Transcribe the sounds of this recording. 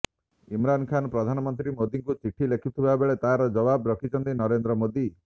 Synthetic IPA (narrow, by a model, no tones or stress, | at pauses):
imɾankʰanɔpɾɔd̪ʱanɔmɔnt̪ɾimod̪iŋkut͡ʃiʈʰːilekʰit̪ʰibabeɭet̪aɦɾɔd͡ʒɔbabɾɔkʰit͡ʃʰɔnt̪inɔɾend̪ɾɔmod̪i